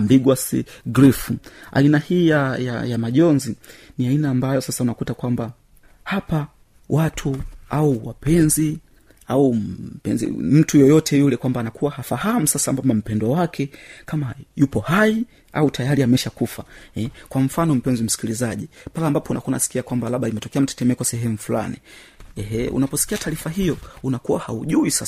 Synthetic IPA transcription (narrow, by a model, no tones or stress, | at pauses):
mbiɡwasḭɡɾifua̰inahiːjaja̰jamaʄɔnziniainaːmbajɔsasaunakutakwamba | hapa | wʔatʰuauwapɛnzi | aupɛnzḭm̩tujɔjɔtʰɛjulɛkwambaːnakʰuwahafahamusasambamam̩pɛndwawakʰɛkamajupɔhai | a̰utʰajaɾiamɛʃakufaɛkwam̩fanɔm̩pɛnzim̩si̥kilizaʄipalambapɔunakuana̰si̥kiakwambalaɓaimɛtɔkɛam̩tɛ̥tɛmɛkwasɛɦɛmufula̰ni | ɛɦɛṵnapɔsi̥kiataːɾifaɦijɔunakuwahauʄuisas